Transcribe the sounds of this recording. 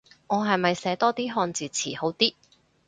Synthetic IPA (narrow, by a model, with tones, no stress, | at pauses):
ŋɔː˨˧ɦɐ˨jmɐ˨jsɛː˨˥t̪ɔː˥t̪iː˥ɦɔː˧nt͡siː˨˩t͡sʰiː˨˩ho˨˧˥wt̪iː˥